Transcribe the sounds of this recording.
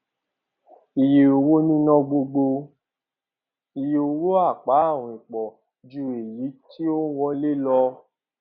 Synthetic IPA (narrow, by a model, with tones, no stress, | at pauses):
i˨je˨o˧wo˦nĩ˦nɔ̃˦ɡ͡bo˧ɡ͡bo˧ | i˨je˨o˧wo˦a˦˨k͡pa˨˦a˦˨w̃ɔ̃˨ĩ˨k͡pɔ˨ | d͡ʒu˧e˨ji˨˦ti˦o˦wɔ˧˦le˦lɔ˧